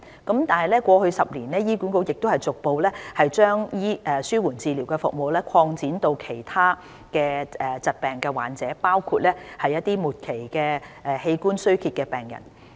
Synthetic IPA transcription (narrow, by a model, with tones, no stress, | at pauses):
kɐ˨˥mt̪aː˨nhɐ˨jlɛː˥kʷɔː˧hɵ˧ɥsɐ˨p̚liː˨˩nlɛː˥jiː˥ku˨˥nko˧˥wjɪ˨k̚t̪o˥whɐ˨jt͡sʊ˨k̚po˨wlɛː˥hɐ˨jt͡ʃœː˥ŋjiː˥ʔɛː˨syː˥wuː˨˩nt͡siː˨˧liː˨˩wkɛː˧fʊ̰˨k̚mo˨wlɛː˥kʰɔː˧ŋt͡siː˨˥nt̪o˧wkʰe˨˩jt̪ʰaː˥ | kɛː˧ɛ˨˩t͡sɐ˨t̚pɛː˨ŋkɛː˧wa̰ː˨˩nt͡sɛː˨˥paː˥wkʰuː˧t̚lɛː˥hɐ˨jːɐ˥t̪̚iː˥muː˨t̚kʰe˨˩jkɛː˧ʔɛ˨he˧jkuː˥nsɵ˥ɥkʰi˧t̚kɛː˧pɛː˨˩ŋjɐ̰˨˩n